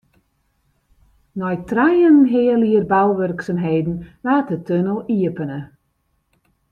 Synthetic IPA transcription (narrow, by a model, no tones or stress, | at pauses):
nɔjtrajənnɦɪəliərbalˠʋørksamɦeːdn̩ʋaːtətʰønəlˠiəpənə